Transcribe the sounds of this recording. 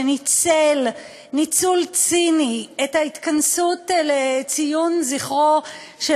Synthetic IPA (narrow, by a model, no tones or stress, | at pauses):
nit͡sel | nit͡sult͡siniethait̪kansutlet͡sijunziχʁo | ʃe